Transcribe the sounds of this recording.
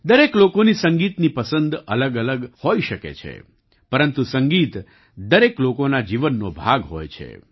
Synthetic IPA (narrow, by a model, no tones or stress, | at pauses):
d̪əɾeklokonisəŋɡit̪nipəsənd̪ələɡələɡhojʃəkḛt͡ʃʰḛ | pəɾənt̪usəŋɡit̪ | d̪əɾeklokonad͡ʒiʋənːobʱaɡɦo̰jt͡ʃʰḛ